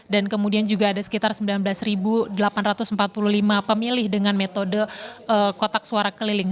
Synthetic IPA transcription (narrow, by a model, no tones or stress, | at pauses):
dankəmudiand͡ʒuɡaːdasə̥kit̪arsəmbilanblasɾibudəlapanrat̪ʊsəm̩pat̪̚puluhlimapəmilɪhdəŋanmet̪odəʔəkot̪ak̚suaɾakəlilɪŋ